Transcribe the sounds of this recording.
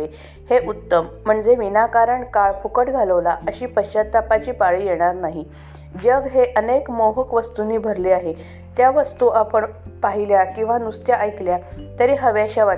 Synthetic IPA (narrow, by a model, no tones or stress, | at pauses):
e | heʔut̪ːəm̤ːəɳd͡zeʋinakaɾəɳkaɭkʰukəʈɡʱaləʋlaʔəɕiːpəɕad̪̚t̪apat͡ɕiːpaɭijeɽ̃aɾnaɦi | d͡ʑəɡɦeʔənekmoɦəkʋəst̪uniːbʱəɾliaɦe | t̪jaʋəst̪uapəɳpaɦiljakĩw̃ʋanust̪jaʔəjkljat̪əɾiɦəʋeaɕaʋa